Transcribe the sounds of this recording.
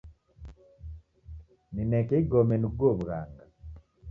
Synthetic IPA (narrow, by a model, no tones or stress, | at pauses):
ninɛkɛɡomɛnuɡobɡaŋɡa